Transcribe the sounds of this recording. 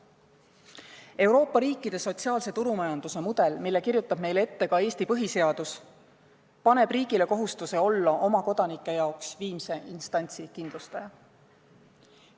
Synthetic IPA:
e̞wɾo̞ːpːˑɑɾiːkːˑid̪̥e̞so̞t̪siɑːlse̞t̪uɾumɑjɑnd̪̥use̞mud̪̥e̞lmilːe̞kirjut̪ːˑɑb̥me̞jle̞t̪ːe̞kɑeːst̪ipɤɦise̞ɑd̪̥us | pɑne̞b̥riːɡile̞koɦust̪use̞o̞lːɑʔo̞mɑko̞d̪̥ɑnikˑːe̞jɑoksviːmse̞ʔinst̪ɑnʲt̪sikind̪lust̪ɑjɑ

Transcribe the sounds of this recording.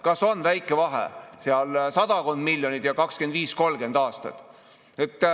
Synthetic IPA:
kɑso̞nvæjkːˑe̞vɑɦḛseɑlsɑd̪ɑko̞nd̪milʲːjonid̪̥jɑkɑkske̞nd̪viːsko̞lɡ̥e̞nd̪̥ɑːst̪ɑ̰t̪ˑ | e̞t̪ː

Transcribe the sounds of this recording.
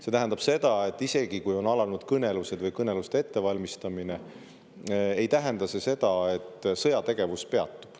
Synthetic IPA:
se̞t̪æɦænd̪ɑb̥se̞d̪ɑe̞t̪ːˑise̞ɡ̥ikujo̞nɑlɑnud̪̥kɤne̞luse̞d̪vɤjkɤne̞lust̪ee̞t̪ːe̞vɑlʲmist̪ɑmine̞ | ejt̪æɦe̞nd̪̥ɑse̞se̞d̪̥ɑe̞t̪ːsɤ̞jɑt̪e̞ɡ̥e̞vuspe̞ɑ̰t̪ːˑu̥b̥

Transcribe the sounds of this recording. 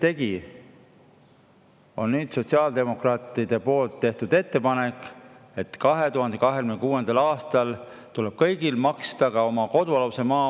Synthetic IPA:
t̪e̞ɡ̥i | o̞̰nnyːd̪̥so̞tʲsiɑːld̪e̞mo̞krɑːt̪ˑid̪̥e̞po̞ːlt̪ːe̞ht̪ud̪e̞t̪ːe̞pɑne̞kˑ | e̞t̪kɑɦe̞t̪uɦɑnd̪̥e̞kɑɦekymnekuːe̞nd̪̥ɑlɑːst̪ɑl | t̪uleb̥̚kɤjɡ̥ilmɑkst̪ɑkɑo̞mɑko̞d̪uɑluse̞mɑː

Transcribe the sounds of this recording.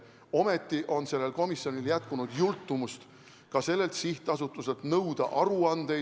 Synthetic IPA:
o̞me̞t̪ˑːiʔo̞nse̞lːe̞lko̞misːjo̞niljæt̪̚kunud̪̥jult̪ˑːumust̪ | kɑse̞lːe̞lt̪siht̪ɑsut̪ˑːuselt̪nɤwd̪̥ɑ̰ʔɑɾuɑnd̪̥e̞

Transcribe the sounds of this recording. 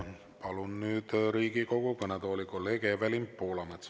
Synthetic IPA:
pɑlunnyːd̪̥ɾiːɡiko̞ɡokɑned̪oːlikoleɡeʋælimpːoːlɑmet̪s

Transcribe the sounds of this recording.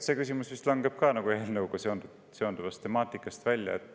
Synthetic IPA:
se̞kysimusvist̪lɑŋɡe̞b̥kɑːnɑɡ̥ueːlnɤwkɑseond̪u | seond̪̥uvɑst̪e̞mɑːt̪ːˑikːˑɑst̪vælʲjɑ̰et̪ːˑ

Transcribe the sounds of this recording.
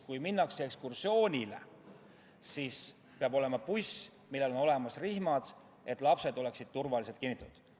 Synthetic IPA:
kujminːɑksekskursjo̞ːnʲile̞̰ | siːs | peɑbo̞le̞mɑpusʲ | milːe̞lo̞no̞le̞mɑsrihmɑd̪̥ | e̞t̪ːˑlɑpse̞d̪o̞le̞ksid̪̥̚t̪urvɑlise̞lt̪kinːit̪ːt̪ud̪̥

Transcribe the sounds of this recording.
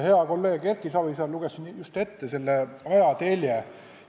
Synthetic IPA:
he̞ɑko̞lːe̞ːɡerkˑisɑbisɑluɡ̥esinjust̪e̞t̪ːese̞lːeɑjɑt̪e̞lʲje

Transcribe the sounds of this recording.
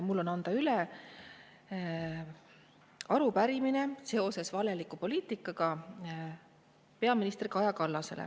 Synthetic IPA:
mulːo̞nɑnd̪̥ɑyle | ɑɾupæɾimine̞se̞o̞se̞svɑle̞likːˑupo̞liːt̪ˑikːˑɑɡ̥ɑ | pe̞ɑminist̪riɡɑjɑkɑlːɑse̞̰lḛ

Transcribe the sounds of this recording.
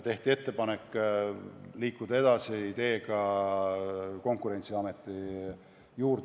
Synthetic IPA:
t̪e̞ht̪ie̞t̪ːe̞pɑne̞kˑː | liːkːˑud̪̥ɑe̞d̪̥ɑsiit̪e̞ːɡɑ | ko̞ŋkˑuɾe̞nʲt̪siɑme̞t̪ːˑi | juːɾd̪

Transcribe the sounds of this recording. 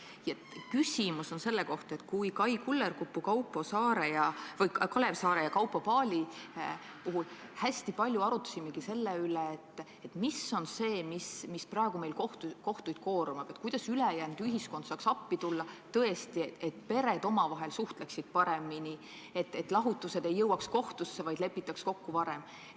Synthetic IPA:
jɑ | kysʲimuso̞nse̞lːeko̞ht̪ɑe̞t̪ːkujkɑjkulːerkupːukɑwpːˑosɑːɾejɑvɤjkkɑle̞psɑːɾe̞jɑkɑwpːopɑːlʲi | puɦulhæsʲt̪ipɑlʲjuɑɾut̪ːˑɑ̥simːeɡ̥ise̞lːeyleːt̪ːˑ | et̪ːˑmiso̞nse̞ːmismisprɑe̞ɡ̥ume̞jlkoht̪uko̞ht̪ujd̪̥ko̞ːɾomɑb̥et̪̚kujd̪̥ɑsylejænd̪̥yɦisko̞nd̪sɑːksɑpːit̪ulːɑt̪ɤe̞st̪iet̪pe̞ɾe̞d̪̥o̞mɑvɑɦe̞lsuht̪leksid̪̥̚pɑɾe̞mːini | e̞t̪ːˑet̪ːˑlɑɦut̪ːˑuse̞d̪̥e̞jːɤwɑksko̞ht̪usːe̞vɑjd̪̥le̞pːˑit̪ːˑɑksko̞kːuvɑɾe̞m

